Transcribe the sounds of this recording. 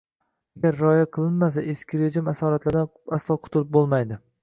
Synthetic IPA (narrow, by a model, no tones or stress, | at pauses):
aɡʲaɾːɒjaqʰɨlˠɪnmas̬aʔeskʲɪɾed͡ʒɪmasɒɾat̪laɾd̪aaslˠɒqʰʊ̥t̪ʰɪlɪp̚bolˠmajd̪ɪ